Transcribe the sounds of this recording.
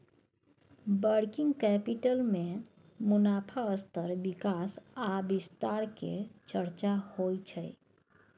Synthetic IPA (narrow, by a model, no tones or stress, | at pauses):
bəɾkɪ̃ŋɡkɛpiʈəlmẽ | mʊnaːpʰaəst̪əɾbikasabist̪aɾkḛt͡ʃəɾt͡ʃahojt͡ʃʰəj